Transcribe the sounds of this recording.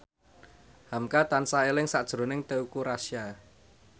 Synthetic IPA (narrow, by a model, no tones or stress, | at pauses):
hamkat̪ansaelɪŋsaʔd̥ʒ̥ɾo̤nɪŋt̪eukuɾasja